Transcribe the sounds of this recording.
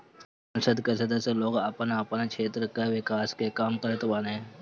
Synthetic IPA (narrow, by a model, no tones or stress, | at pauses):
s | ɐ̃nsəd̪kesɐd̪əseloːɡəpənəpənkʃʰeːt̪ɾəkeʋɪkaːskekaːmkəɾət̪ʋaːne